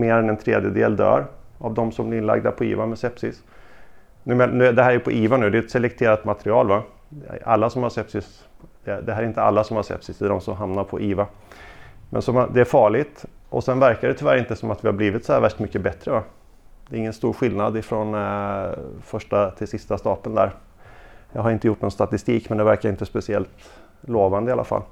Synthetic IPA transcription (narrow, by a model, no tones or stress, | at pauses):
meːɾɛnɛnt̪ʰɾeːd̪jəd̪ḛːld̪œ̰ːɾavd̪ɔmsɔmblɪɾɪnla̰ɡd̪a̰pʰɔḭːvamɛsɛpsɪs | nʉ̟ːmennʉ̟ːd̪ɛɦæɾæɾjəpʰɔʔiːvanʉ̟d̪ɛɛt̪sɛlɛkt̪ʰeːɾat̪mat̪ɾɪɑːlva | a̰lːasɔmhaʂɛpsɪs | d̪̥ɛd̪ɛɦæɾɪnt̪əa̰lːasɔmhaɾsɛ̰psɪsd̪ɛd̪ɔmsɔmɦamnaɾpʰɔʔiːva | mʔɛ̰nsɔmad̪ɛæɾfɑːɭɪt̪ʔɔ̰sɛnvæɾkaɖɛt̪ʰʏvæːɾɪnt̪əsɔmat̪vɪhaɾbliːvɪt̪sɔhæ̰ːɾvæʂʈmʏkːəbɛt̪ːɾəva | d̪ɛɾɪŋːənst̪uːɾɧɪlnad̪ɪfɾɔn | fœʂʈat̪ʰɪlsɪst̪ast̪ɑːpənd̪æ̰ːɾ | jɑːɡhaɾɪnt̪əjʊʈːnɔnst̪at̪ɪst̪iːkmɛnd̪ɛvæɾkajaɪnt̪əspɛsɪɛ̰lt̪ | loːvand̪əɪalʔa̰fa̰lː